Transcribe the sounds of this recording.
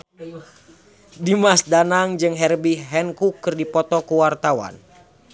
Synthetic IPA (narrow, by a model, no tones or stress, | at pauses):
dimasdanaŋd͡ʒɨŋɦɛrbiɦɛnkukːɨrdipɔt̪ɔkuwart̪awa̰n